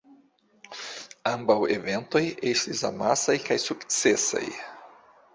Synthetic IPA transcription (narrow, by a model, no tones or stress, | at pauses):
ɐ̃mbawevẽnt̪ojeʃt̪iza̰masajkajsuksɛsa̰j